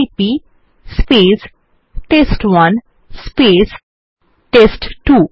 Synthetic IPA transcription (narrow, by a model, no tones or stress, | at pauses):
pi | speːs | ʈesʈʋʌ̃n | speːs | ʈesʈʈuː